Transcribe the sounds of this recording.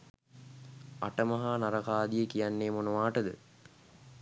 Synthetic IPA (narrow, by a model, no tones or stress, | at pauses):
a̰ʈəmɐɦaːnaɾɐkaːd̪ijəkijanːeːmonuʋaːʈəd̪ə̰